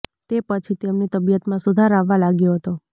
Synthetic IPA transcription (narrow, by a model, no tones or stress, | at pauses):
t̪epət͡ʃʰit̪emnit̪əbijət̪mãsud̪ʱaɾaʋːalaɡjoɦət̪o